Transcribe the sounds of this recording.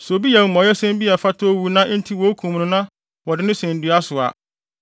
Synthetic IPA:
so˨bi˦a˨˦mɔ̃˨jɛ˦sɛ̃˦mbi˦ɛ˨fa˦tʰo˦wu˨nã˦n̩˦tʰi˦wo˦kʰũ˨m˨nʊ̃˨nã˦ | wɔ˨dɪ˨nɪ̃˦sɛ̃˨n˨dɥa˦sʊ˨a̰˨

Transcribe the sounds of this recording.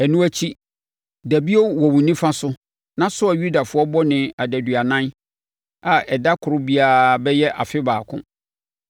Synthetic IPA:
ɛ˨nũ˦æ˦t͡ɕʰi˦ | dæ˨bi˦o˦wɔ˨wũ˨nĩ˦fã˦sʊ˦ | nã˦sʊ˦a˨ju˦da˨fʊ˦ɔ˦bɔ˦nɪ̃˨a˨dæ˨dɥa˨nã˦n | a˨ʔɛ˨da˦kʰʊ˨ɾʊ˦bi˦a˦˨bɛ˦jɛ˦ʔa̰˨fɪ˦baː˨kʰʊ̰̃˦

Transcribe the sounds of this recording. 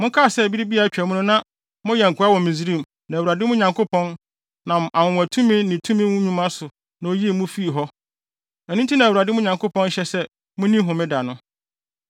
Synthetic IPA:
mʊ̃˦kʰa˦˨sɛ˦˨bi˦ɾi˦bi˦a˨æ˦t͡ɕᶣɛ˨mʊ̃˦nʊ̃˦nã˦ | mʊ̃˦jɛ˨ŋ̩˨kʰʊ˨˦a˦wɔ̃˨mĩ˨zi˦ɾĩ˦˨m | nã˨wu˨a˨dɪ˦mʊ̃˦ɲã˨ŋkʰo˦pʰɔ̃˦n | nã˨ma˨mʊ̃˨w̃æ˨tʰũ˦mɪ̃˦nɪ̃˨tʰũ˦mĩ˦wũ˦ɲũ˦mã˦sʊ˨ | nã˨o˦ji˦e˦˨mũ˦fi˦i˨ɦɔ˦ | æ˨nĩ˦n˦tʰi˦nã˨wu˨ɾa˨dɪ˦mʊ̃˦ɲã˨ŋkʰo˦pʰɔ̃˦n˦ɕɛ˦sɛ˦ | mʊ̃˦nĩ˦ɦʊ̃˨mɪ̃˦da˨nʊ̃˦

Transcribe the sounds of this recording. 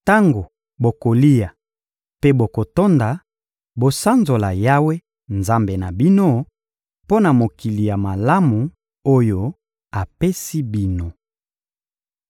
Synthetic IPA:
ta˦ŋɡo˨ | bo˨ko˨li˦ja˨ | pe˦bo˨ko˨to˦nda˨ | bo˨sa˦nzo˨la˨ja˦we˦ | nza˦mbe˨na˨bi˦no˦ | po˦na˨mo˨ki˨li˨ja˨ma˨la˦mu˨ | o˦jo˦ | a˨pe˦si˦bi˦no˨

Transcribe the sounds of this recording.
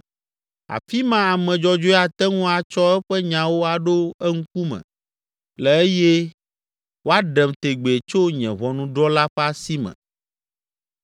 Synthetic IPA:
a̰˨fi˦mã˦a˨mɛ̃˨d͡ʒɔ˦d͡ʒo˦a˨t̪ɛ˦ŋũ˦a˨t͡ʃɔ˦ɛ˦ɸɛ˦ɲã˨wo˦a˨ɖo˦ɛ˦ŋ̩˦ku˦mɛ̰̃˨ | lɛ˨e˦je˦ | wo˦a˦ɖɛ˨mt̪e˨ɡ͡be˨e˨t͡ʃo˦ɲɛ̰̃˨βɔ˨nũ˦ɖɔ˦la˦ɸɛ˦a˦si˦mɛ̰̃˨

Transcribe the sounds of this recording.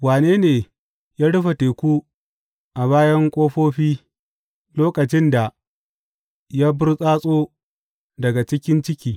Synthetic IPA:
waː˨neː˦neː˨ | jaː˦ɽʊ˦ɸa˨teː˨kʷu˦ | ʔa˨βaː˦jɐ˦ŋkʷʼoː˦ɸoː˦ɸiː˦ | loː˦kɐ˨t͡ʃɪ˦nda˨ | jaː˦bʊ˦rsʼaː˦sʼoː˦ | dɐ˨ɡa˨t͡ʃɪ˦kʲɪ˦nt͡ʃɪ˦kʲiː˨

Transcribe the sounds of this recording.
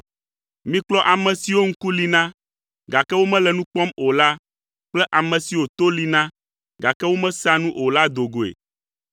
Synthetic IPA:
mĩ˦k͡plɔ˦ʔa˨mɛ̃˨si˨wo˦ŋ̩̃˦ku˦li˨nã˦ | ɡa˨kɛ˦wo˦mɛ̃˦lɛ˨nũ˦k͡pɔ˦mo˨la˦ | k͡plɛ˦ʔa˨mɛ̃˨si˨wo˨t̪o˦li˦nã˦ | ɡa˨kɛ˦wo˦mɛ̃˦sa˦nũ˦ʔo˨la˦d̪o˨ɡo˨ḛ˨

